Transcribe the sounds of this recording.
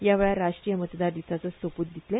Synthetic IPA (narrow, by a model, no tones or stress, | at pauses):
jaʋeɭaɾaʂʈɾijəmət̪d̪aɾd̪isat͡səsʋəpət̪̚d̪it̪le